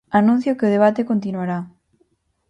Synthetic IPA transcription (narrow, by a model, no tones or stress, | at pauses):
anũn̟θjokeoð̞eβat̪ekont̪inwaɾa